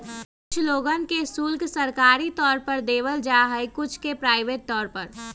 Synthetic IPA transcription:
kʊt͡ʃʰloːɡənkesʊlksəɾkaːɾit̪ɔːɾpəɾd̪eːʋəld͡ʒaɦɛjkʊt͡ʃʰkepɾaːɪʋeːʈ̚t̪ɔːɾpəɾ

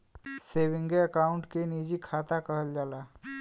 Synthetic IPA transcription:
seːbɪ̃ŋɡeəkaːʊ̃ɳʈkeniːd͡ʒikʰaːt̪akəɦəld͡ʒaːlaː

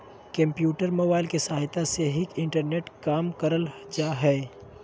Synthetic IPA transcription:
kɐ̃mpjuːʈəɾmoːbaːɪlkesaːɦɪt̪aseɦɪkɪ̃ɳʈəɾneːʈkaːmkɐɾəld͡ʒaːɦɛː

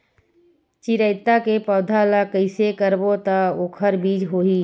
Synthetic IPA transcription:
t͡ʃiɾəɪt̪ːakepəːd̪ʱalakəɪsekəɾbot̪aoːkʰəɾbiːd͡ʒɦoːiː

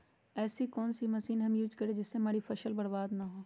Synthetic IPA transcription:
ɛːsikɔːnsimɐsiːnɦɐmjuːd͡ʒkɐɾed͡ʒɪsːemaːɾifʰɐʃəlbɐɽbaːd̪nɐɦoː

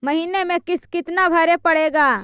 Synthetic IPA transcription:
mɐɦiːnemẽkɪskɪt̪nabʱɐɾepɐɽeːɡaː

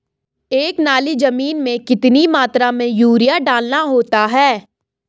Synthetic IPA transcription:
eːknaːlid͡ʒɐmiːnmẽkɪt̪nimaːt̪ɾamẽjuːɾijaɖaːlnaɦoːt̪aɦɛː

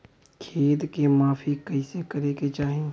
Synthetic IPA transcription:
kʰeːd̪kemaːfʰikɐɪsekɐɾeket͡ʃaːɦẽ

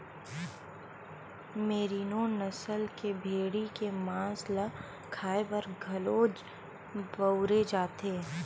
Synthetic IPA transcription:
meːɾiːnonɐsəlkebʱeːɽikemãːslə | kʰaːebɐɾɡʱɐloːd͡ʒ | bəʊɾed͡ʒaːt̪eː

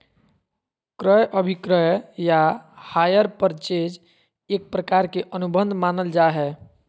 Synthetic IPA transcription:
kɾəjʔəbʱikɾəjjahajəɾpəɾt͡ʃed͡ʒ | ek̚pɾəkaɾkeʔənubənd̪ʱmanəld͡ʒaɦɛ

